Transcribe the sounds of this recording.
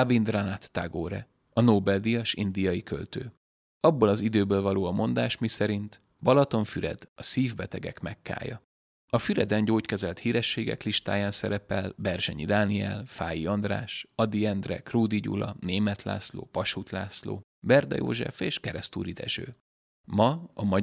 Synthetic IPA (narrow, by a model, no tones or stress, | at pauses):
abind̪ranat̪ːaɡoːɾɛ | ɒnoːbɛld̪ijɒʃind̪ijɒjikø̰lt̪øː | ɒbːo̞lɒzid̪øːbøːlvɒloːɒmo̞nd̪aːʃmisɛɾint̪ | bɒlɒt̪o̞ɱfyɾɛ̰d̪̥ɒsiːvbɛt̪ɛɡɛ̰kmɛkːa̰ːjɒ̰ | ɒfyɾɛd̪ɛɲɟoːckɛzɛlt̪hiːɾɛʃːeːɡɛ̰kliʃt̪a̰ːjaːnsɛɾɛpɛlbɛrʃɛɲid̪aːniɛ̰lfaːjiɒnd̪ra̰ːʃɒd̪iɛnd̪rɛ̰kruːd̪iɟṵlɒ̰neːmɛt̪la̰ːslo̰ːpɒʃut̪laːslo̰ː | bɛrd̪ɒ̰jo̰ːʒɛ̰feːʃkɛɾɛst̪ṵːɾid̪ɛ̰ʒø̰ː | mɒɒmɒ